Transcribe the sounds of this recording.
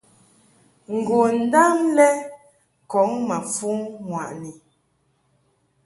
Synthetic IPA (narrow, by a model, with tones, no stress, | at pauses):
ŋ̩˨ɡo˨n̩˨da˦mlɛ˦ | kɔ˨˦ŋma˨fu˦ŋŋwa˨ʔni˨